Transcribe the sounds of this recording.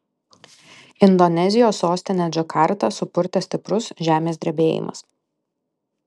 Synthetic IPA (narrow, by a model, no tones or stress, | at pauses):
ɪnd̪ɔnʲɛzʲɪjoːsːoːsʲt̪ʲɪnʲeːd͡ʒʲɔkɑˑɾt̪ɐsʊpʊɾʲt̪ʲɛsʲt̪ʲɪpɾʊsʒʲæːmʲeːsd̪ʲɾʲɛbʲeːjɪ̰mɐ̰s